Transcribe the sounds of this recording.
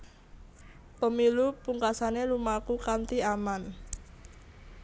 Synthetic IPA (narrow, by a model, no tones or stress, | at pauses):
pəmilupuŋkasanelumakukant̪iaman